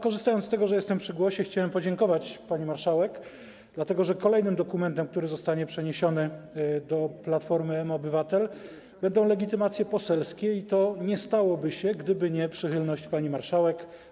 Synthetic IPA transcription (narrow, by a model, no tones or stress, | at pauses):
kɔʐɘst̪ajɔnt̪t̪ɛɡɔʐɛjɛst̪ɛmpʂɘɡwɔɕɛxt͡ɕawɛmpɔd͡ʑɛŋkɔvat͡ɕpaɲimaɾʂawɛk | d̪lat̪ɛɡɔʐɛkɔlɛjnɘmd̪ɔkumɛnt̪ɛmk̚t̪uɾɘzɔst̪aɲɛpʂɛɲeɕɔnɘd̪ɔplat̪fɔɾmɘɛmːbɘvat̪ɛl | bɛnd̪ɔ̃w̃lɛɡʲit̪ɘmat̪sʲjɛpɔsɛlskʲɛit̪ɔɲɛst̪awɔbɘɕɛɡd̪ɘbɘɲɛpʂɘxɘlnɔɕt͡ɕpaɲimaɾʂawɛk